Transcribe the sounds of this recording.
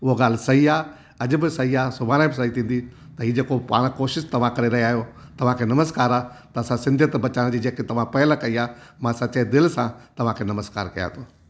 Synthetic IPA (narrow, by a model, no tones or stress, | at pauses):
ʊɦoɡaːl̤ɪsɐɦiaː | ɐd͡ʑbɪsɐɦiaːsʊbʱaːnabɪs̬ɐɦit̪ʰĩːn̆d̪i | t̪ɐɦiːd͡ʑeːkopa̰ːɽ̃koːʃɪʃt̪ɐʋ̤ãkɐɾeɾɐɦiaːɦjot̪ɐʋ̤ãkʰeːnɐməskaːɾaː | t̪ɐːsãsɪ̃nd̪ʱjət̪bɐt͡ɕaːɽ̃d͡ʑiːd͡ʑeːket̪ɐʋ̤ãpɐɦɪləkɐiaːmãsɐt͡ɕed̪ɪlsãt̪ɐʋ̤ãkʰeːnɐməska̰ːɾkɐja̰ːt̪ʰoː